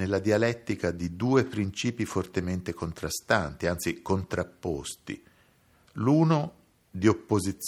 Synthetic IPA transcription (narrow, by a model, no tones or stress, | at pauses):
elːad̪ialɛt̪ːikad̪id̪uːepɾint͡ʃiːpifort̪ement̪ekont̪ɾast̪ant̪iant̪sikont̪ɾapːost̪ḭ | luːno | d̪iopːozit̪s